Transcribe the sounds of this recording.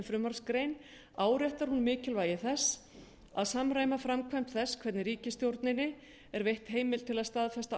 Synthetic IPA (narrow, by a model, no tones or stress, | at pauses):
fɾʏmaɾskɾejn | aːwɾɛht̪aɾhunmɪːcɪlvaːjɪθɛsː | a̰ðsamrajmafɾamkʰvajm̥pt̪θɛskʰvɛɾt̪nɪɾiːcɪst̪jowɾt̪nɪnːɪ | ɛɾvejht̪ɦeːjmɪlt̪ʰɪlaðst̪aːðfɛst̪a